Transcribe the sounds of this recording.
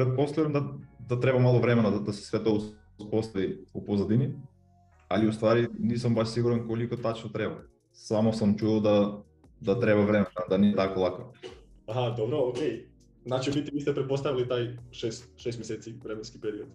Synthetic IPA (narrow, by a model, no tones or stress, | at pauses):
pɾɛt̪̚post̪ɛɾɛmd̪ad̪at̪ɾɛbamalˠovɾɛmɛnad̪ad̪asɛ̥svɛt̪ous | spost̪aviupozad̪ini | aliust̪vaɾinisɐmbaʃsiɡuɾɛnkolikot̪at͡ʃnɔt̪ɾɛba | samosɐmt͡ʃualˠd̪a | d̪at̪ɾɛbavɾɛmɛand̪aniɛt̪akolˠako | aɦad̪obɾookʲej | znat͡ʃivit̪iviːst̪ɛpɾɛt̪̚post̪avilit̪ajʃɛst̪ʃɛst̪mɛsɛt̪sivɾɛmɛnskipɛɾiot̪